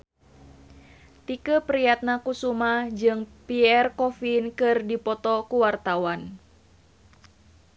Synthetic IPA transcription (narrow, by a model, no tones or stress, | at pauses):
t̪ikəpɾijat̪̚nakusumahd͡ʒɨŋpiɛrkɔfinkɨrdipɔt̪ɔkuwart̪awan